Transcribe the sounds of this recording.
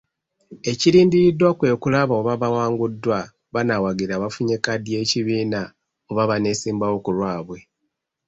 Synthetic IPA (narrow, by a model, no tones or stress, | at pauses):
e̞ciɾiːndiɾidːwakwe̞kulaβaoβaβawaːŋɡudːwa | βanawaɡiɾaːβafuɲekadje̞ːciβiːna | oβaβane̞ːsiːmbawo̞kulwaːβwe̞